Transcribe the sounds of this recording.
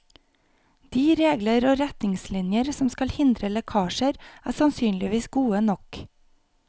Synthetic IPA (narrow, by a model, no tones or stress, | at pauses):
d̪̥iːɾeːɡləɾoːɾɛt̪nɪŋslɪnjəɾsɔmskɑlhɪnd̪ɾəlɛkʰɑːʃəɾæ̰ːsɑnsyːnlɪʋiːsɡuːənɔk